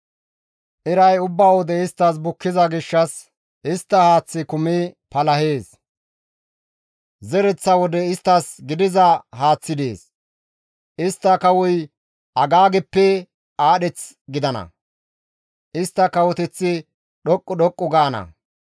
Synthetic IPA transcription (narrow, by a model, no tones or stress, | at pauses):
ʔɪɾɐjʊbːaːwɔd̪ɛɪst̪ːɐs̬bʊkːɪzɐɡɪʃːɐs | ʔɪst̪ːɐhaːt͡sːɪkʊmɪpɐlɐheːs | zɛɾɛt͡sːɐwɔd̪ɛɪst̪ːɐsɡɪd̪ɪzɐɦaːt͡sːɪd̪ḛːs | ʔɪst̪ːɐkɐwʊj | ʔɐɡaːɡɛpːɛ | aːɗɛt͡s | ɡɪd̪ɐnɐ̰ | ʔɪst̪ːɐkɐwɔt̪ɛt͡sːɪ | ɗɔkʼːʊɗɔkʼːʊɡaːnɐ̰